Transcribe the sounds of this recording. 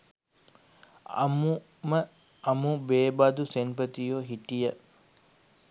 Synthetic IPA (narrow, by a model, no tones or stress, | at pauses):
ɐ̰mu | mə | ɐmubeːbad̪usenpət̪ijoːɦiʈijə